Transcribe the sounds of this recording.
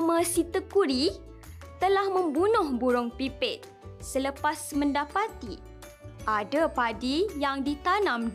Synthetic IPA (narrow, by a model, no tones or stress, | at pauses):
məsit̪əkuɾi | t̪əlahmə̃mbunʊhbuɾʊŋpipɪt̪̚ | sələpasmə̃ndapat̪i | ʔadapadijaŋdit̪anãmd